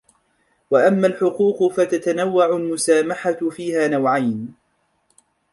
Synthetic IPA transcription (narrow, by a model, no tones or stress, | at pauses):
waʔamːalħʊquːqfat̪at̪anawːaʕʊlmʊsaːmaħafiːhaːnawʕajn